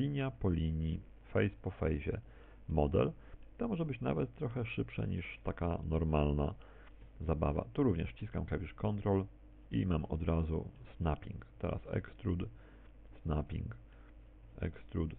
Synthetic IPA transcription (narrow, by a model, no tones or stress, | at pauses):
iɲjapɔlʲiɲi | fɛjspɔfɛjʑɛ | mɔd̪ɛ̰l | t̪ɔmɔʐɛbɘt͡ɕna̰vɛt̪t̪ːɾɔxɛʂɘpʂa̰ɲiʂt̪akanɔɾmalna | zabava̰t̪uɾuvɲɛ̰ʂt͡ɕiskamkavʲiʂkɔnt̪ɾɔl | ḭmamɔd̪ɾazṵsnapʲḭŋkt̪ɛɾa̰sɛ̰kst̪ɾud̪ | snapʲḭŋk | ɛ̰kst̪ɾud̪